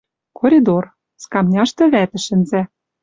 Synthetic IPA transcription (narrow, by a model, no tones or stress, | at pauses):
koɾʲid̪or | skɑmnʲɑʃt̪ɤ̆βæt̪ɘ̆ʃɘ̆nzæ̆